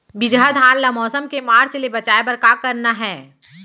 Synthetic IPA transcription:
bɪd͡ʒad̪ʱaːnlamɔːsəmkemaːɾt͡ʃlebɐt͡ʃaːebɐɾkakɐɾnaɦɛː

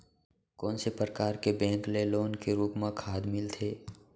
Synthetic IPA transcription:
kɔːnsepɾəkaːɾkebɛ̃ːŋkleloːnkeɾuːpmãkʰaːd̪mɪlt̪ʰeː

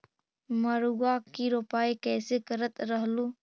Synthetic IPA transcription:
məɾuɡakiɾoːpaːikɛːsekəɾət̪ɾəɦluː

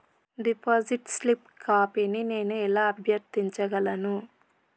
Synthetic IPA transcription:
ɖipoːziʈslip | kaːpenine̞ːnuɛlaːɐbʱjɐɾt̪iɲt͡ʃɐɡɐlɐnu

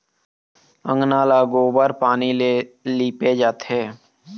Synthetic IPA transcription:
ə̃ŋɡnaːlaɡoːbəɾpaːnileliːped͡ʒaːt̪ɦeː

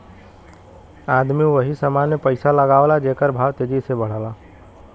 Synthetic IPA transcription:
aːd̪miũʋəɦisəmaːnjəpəɪsaləɡaːʋlad͡ʒeːkəɾbʱaːʋt̪eːd͡ʒisebəɽ̤aːlaː

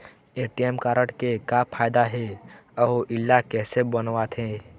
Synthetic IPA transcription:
eːʈijemkaːɾəʈkekapʰaːjd̪aɦɛɔʔɪlːakɛːsebənʋaːt̪ɦɛ̃ː

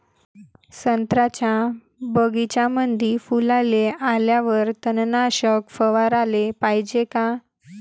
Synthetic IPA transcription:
sənt̪ɾat͡ɕja | bəɡit͡ɕamənd̪ʱifulalealjaʋəɾt̪ənnaɕəkfəʋaɾalepajd͡ʑeka

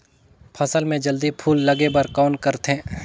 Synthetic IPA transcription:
pʰɐsəlmẽd͡ʒəld̪ipʰuːlːɐɡebəɾkɔːnkəɾt̪ɦẽː

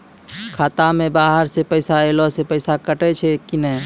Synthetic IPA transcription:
kʰaːt̪amẽbaːɦəɾsepəɪsaelɔsepəɪsakəʈɛt͡ʃʰɛkinə

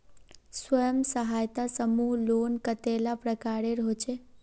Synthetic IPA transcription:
swəjəmsəɦaːjt̪asəmuɦlonkət̪elapɾəkaɾeɾɦot͡ʃʰe

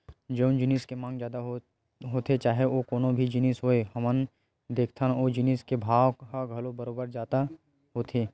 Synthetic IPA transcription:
d͡ʒɐʊnd͡ʒɪniːskemãːŋɡd͡ʒjaːd̪aɦ | ɦoːt̪ʰet͡ʃaːɦeokoːnõbʱid͡ʒɪniːsɦoːeɦɐmən | d̪eːkʰt̪ʰanod͡ʒɪniːskebʱaːʋkaɡʱɐlobəɾoːbəɾd͡ʒaːt̪a | ɦoːt̪ʰeː

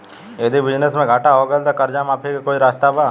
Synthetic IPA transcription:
eːd̪ibɪd͡ʒnəsmẽɡʱaːʈaɦoːɡəld̪akɐɾd͡ʒaːmaːpʰikekoːiɾaːst̪abaː

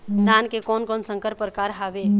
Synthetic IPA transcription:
d̪ankekɔnkɔnsəŋkəɾpəɾkaɾɦabe

